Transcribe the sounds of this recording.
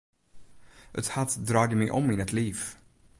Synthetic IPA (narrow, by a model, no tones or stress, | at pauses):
ʔət̪hat̪d̪ɾɑːɡəmɛjʔɔ̰mːɪnɛt̪liːv